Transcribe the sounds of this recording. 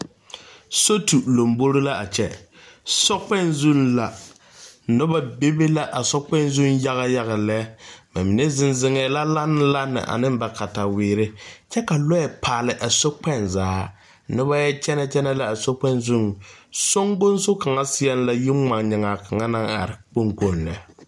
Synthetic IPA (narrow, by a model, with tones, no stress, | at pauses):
so˦tu˨lo˨mbo˦ɾɪ˦la˦ʔa˨t͡ʃɛ˦ | sɔ˦k͡pɛ˦˨nzu˦nla˨ | nʊ˦ba˨be˦be˦la˦ʔa˨sɔ˦k͡pɛ˦nzu˦nja˦ɣa˦ja˦ɣa˨lɛ˦ma˨mi˨nɛ˦zɪ˨nzɪ˨ŋɛː˨la˦la˦nɪ˦la˦nɪ̰˨ʔa̰˨nɪ˦mba˨ka˨ta˨wɪː˨ɾɪ˦t͡ʃɛ˦ka˨lɔ˦ɛ˨pʰaː˨lɪ˨ʔa˨so˦k͡pɛ˦nzaː˨˦ | nʊ˦ba˦jɛ˦t͡ʃɛ˦nɛ˨t͡ʃɛ˦nɛ˦la˨a˨so˦k͡pɛ˦nzu˦˨nsʊ˦ŋɡʊ˦nsʊ˦ka˨ŋa˦sɪ˦ɛ˦n˦la˨ji˦a˨ŋɲɪ˨ŋa˨ka˨ŋa˦na˦ŋa̰˨ɾɪ˨k͡po˦ŋko˦˨nlɛ̰˨